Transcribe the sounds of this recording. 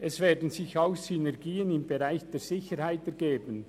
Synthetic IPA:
ʔɛsv̥eːɐdən̩zɪçaʊxsynɛɾɡiːənɪmbeʁaɪçd̥eːɹz̥ɪçəɾhaɪtɛɾɡeːbən̩

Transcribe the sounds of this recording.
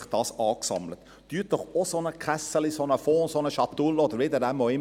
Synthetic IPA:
χd̥ɑːsɑːksɑ̰mlət̪ | tyːtd̥ɔχosonəkχɛsəlisonəfɔːnsonəʃɑt̪ːulɔd̪əɾʋɪd̪ədɛmoɪ

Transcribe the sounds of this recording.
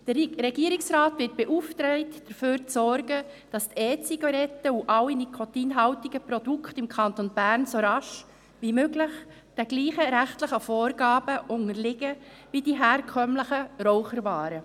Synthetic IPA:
d̪̥əɾɛɡ̥iːɾɪksɾɑːtʋɪt̚b̥ɛʔuftɾɛɪtd̥əɾføːɾt͡sɔɾɡəd̥ɑst̪ɛːt͡siɡɑɾɛtəuʔɑwinikʰotiːnɦɑwtiɡəpɾod̥ukχtɪmkʰɑnt̪onbæːɾnsoɾɑʃ | ʋimøɡlɪχ | d̥ɛɡliːχəɾæχtləχəfɔːɾɡ̥ɑːb̥əʔʊŋəɾlɪɡəʋidiɦæːɾkʰœmləχəɾɔwχəɾvɑːɾə

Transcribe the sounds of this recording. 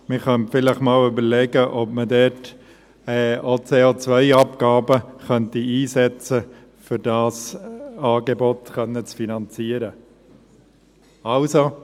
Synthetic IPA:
mɪχœnfɪləχmɑːlybəɾlɛɡəʔɔbmədɛɾt | ɛot͡seːot͡sʋœɪɑpɡɑːbəχœntiiːsɛt͡sə | fʏɾdɑːsɑːɡebɔtχœnːət͡sfinɑnt͡siːəɾə | ɑlso

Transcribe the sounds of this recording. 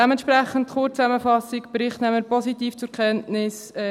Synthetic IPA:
ɛmɛntʃpɾæχən̩tχʊt͡st͡sæməfɑsikb̥ɾɪχtnæməpɔsitiːft͡sʊɾkʰɛntnɪs | ɛ

